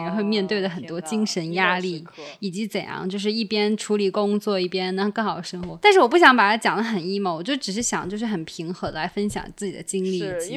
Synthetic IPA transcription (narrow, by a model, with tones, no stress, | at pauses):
ɛ˧˥xwe˥˧ɪmjɛ˥˧nt̪we˥˩ɪd̪ə˩xə˨˩nt̪wɔ˥t͡ɕi˥ŋʂə˧˥nja˥li˥˩ | i˨˩t͡ɕi˧˥t͡sə˨˩njɑ̰˥˧ŋt͡ɕjo˥˧ʊʂɻ̩˥˧i˥˩pjɛ˥nʈ͡ʂʰu˧˥li˨˩kʊ˥ŋt͡swɔ˥˧i˥˩pjɛ˥nn˧˥˧kɤ˥˩xɑ˨˩ʊd̪ə˦ʂɤ˥ŋxwɔ˧˥t̪a˥˧nʂɻ̩˥˩wɔ˨˩p̬u˥˩ɕjɑ˧˥ŋpa˨˩t̪ʰa˥t͡ɕjɑ˨˩ŋd̪ə˧˦xə˨˩ni˥ma˧˩wɔ˨˩t͡ɕo˥˩˥ʈ͡ʂɻ̩˨˩ʂɻ̩˥˩ɕjɑ̰˨˩ŋt͡ɕjo˥˧ʊʂɻ̩˥˩xə˨˩npʰi˧˥ŋxɤ˧˥d̪ə˧la˧˥ɪfə˥nɕjɑ̰˨˩ŋt͡sɹ̩˥˩t͡ɕi˨˩d̪ə̰˦t͡ɕi˥ŋli˥˩i˨˩t͡ɕi˧˥